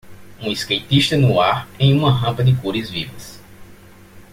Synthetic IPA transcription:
ũiskejt̪iʃt̪ɐnuaɾẽj̃ũmɐɦɐ̃mpɐd̪ɪkuɾɐzvivɐs

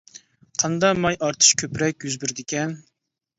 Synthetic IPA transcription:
qʰɑnd̪ɑmɑjʔɑɾt̪ʰɨ̥ʃkʲʰøpɾɛkʲjyzbyɾd̪ɪkʲɛn

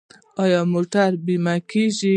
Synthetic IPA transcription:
ɑjɑmoʈaɾbimakiʒi

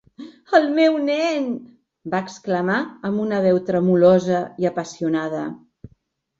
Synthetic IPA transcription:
əlˠmɛwnɛn | baəkskləmaəmbunəβɛwt̪ɾəmulɔzəiəpəsiunaðə̰

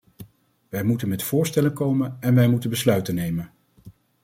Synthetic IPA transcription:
ʋɛjmutənmɛtfʊːɹstɛlənkowmənɛnʋɛjmutənbəslœɥtənːejmən

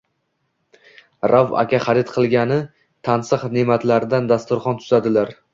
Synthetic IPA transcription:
ɾʔava̰kʲʰaχɑɾɪt̪qʰɨlˠɡʲanɪ | t̪ʰansɨqnemat̪laɾɪd̪and̪ast̪ʊɾχɒnt̪ʰʊ̥zad̪ɪlaɾ

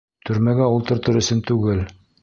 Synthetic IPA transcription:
t̪ʰɵ̆ɾmæɡæulˠt̪ɤ̆ɾt̪ɤɾɵ̆sɵnt̪ʉɡɘl

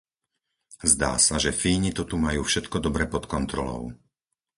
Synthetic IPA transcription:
zd̪a̰ːsaʒɛfiːɲit̪ɔt̪umajuːfʃɛt̪kɔd̪ɔbɾɛpɔt̪kɔnt̪ɾɔlɔ̰ʊ

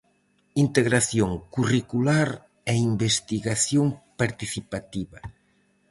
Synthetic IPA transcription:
int̪eɣɾaθjoŋkurikulaɾ | ɛimbest̪iɣaθjoŋpaɾt̪iθipat̪iβa

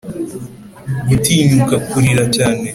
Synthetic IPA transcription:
ɡutiːɲukakuɾiɾacaːne

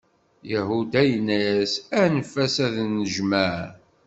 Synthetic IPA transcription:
jæhud̪æjənːæsænəfæsæðnːəʒmæʕ

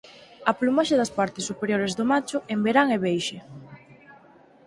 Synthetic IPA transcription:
ɐplumaʃaðɐspaɾt̪ɪsːupeɾjoɾezðomat͡ʃʊʔembeɾaŋɛβejʃe

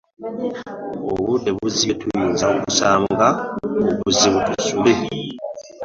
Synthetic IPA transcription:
oβuteβuzitujiːnzaokusaːmɡaβuziβutusule

